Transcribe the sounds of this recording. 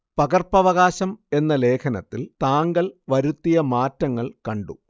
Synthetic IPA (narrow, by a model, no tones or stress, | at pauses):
pɐɡɐrpɐʋɐɣaːɕɐme̞nːɐle̞ːkʰɐnɐt̪ːilt̪aːŋɡɐɭʋɐɾut̪ːijɐmaːtːɐŋːɐɭkɐɳɖu